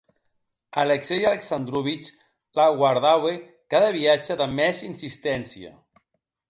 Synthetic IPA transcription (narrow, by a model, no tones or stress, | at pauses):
aleksejaleksand̪ɾuβit͡ʃ | laɣwaɾðawe | kaðəβiad͡ʒəðəmɛzinsist̪ɛnsia̰